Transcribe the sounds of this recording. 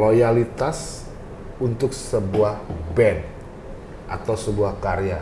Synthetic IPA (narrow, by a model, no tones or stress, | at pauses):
lojalit̪as | unt̪ʊksəbuahbɛn | ʔat̪awsəbuahkaɾea